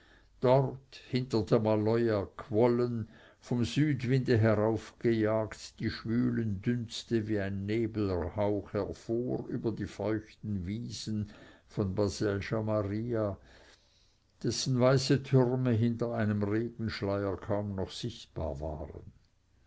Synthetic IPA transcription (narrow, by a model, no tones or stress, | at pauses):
d̥ɔʁthɪntədeɐmalɔʏakʰvɔlən | fɔmzyːdvɪndəɦɛʁaʊfɡ̥əjaːktd̥iːʃvyːləndʏnt͡stəviːaɪnːeːbl̩haʊxhɛʁfoːɾyːbɐdiːfɔʏçtn̩viːz̥n̩fɔnbazɛlʃamaʁiːa | d̥ɛsn̩vaɪsətʰʏʁməɦɪntɐaɪnəmʁeːɡ̥n̩ʃlaɪəkʰaʊmnɔχsɪçtb̥a̰ːɐva̰ːʁə̰n